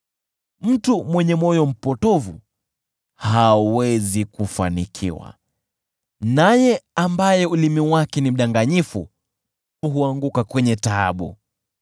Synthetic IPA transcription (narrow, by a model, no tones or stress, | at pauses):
m̩tumwɛɲɛmɔjɔm̩pɔtɔvṵ | hawɛzikufa̰nikʰḭwa̰ | najɛambajɛulimiwakɛnim̩ɗaŋɡaɲifṵ | uɦuaŋɡukakwɛɲɛta̰ːɓṵ